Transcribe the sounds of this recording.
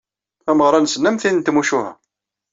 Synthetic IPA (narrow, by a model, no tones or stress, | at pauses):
æməʁɾˤɑnsənːəmθinənt̪muʃuhæ̰